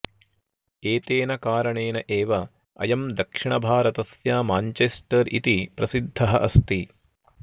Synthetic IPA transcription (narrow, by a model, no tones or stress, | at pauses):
eːt̪eːnɐkaːɾɐɳeːnɐʔeːʋɐ | ɐ̰jɐmd̪ɐkʂiɳɐbʱaːɾɐt̪ɐsjaːmaːɲt͡ʃesʈɐɾḭt̪ipɾɐsid̪ʱːɐɦɐʔɐst̪i